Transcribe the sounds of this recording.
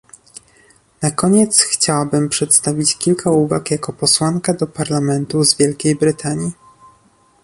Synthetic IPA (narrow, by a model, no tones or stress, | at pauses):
nakɔɲɛt̪sxt͡ɕawabɘmpʂɛt̪st̪avʲit͡ɕkʲilkauva̰kjakɔpɔswaŋkad̪ɔpaɾlamɛnt̪uzvʲjɛlkʲejbɾɘt̪ʰaɲi